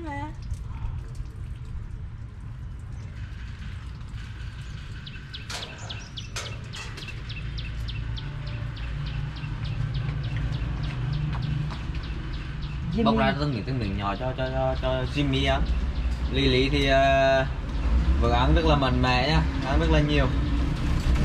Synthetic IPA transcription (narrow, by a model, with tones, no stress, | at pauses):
ɓa̰˨˧˨wzaː˧t̪ʰnɓḭ˨t̪ʰɨ˧mḭ˧˨ŋɲɔ̰˨t͡ɕɔ˧t͡ɕɔ˧ɔ˧t͡ɕɔ˧zi˧mːi˧ʔa˧nli˧lḭ˧˥t̪ʰi˨˩ʔəː˨ | vɨ̰˨˩əʔ̚a˧˦nzə˦˥laː˨˩ma̰˧˨ŋmɛ̰˧˨ɲaː˧ʔa˨˦nzə˦˥t̚laː˨˩ɲi˨˩əw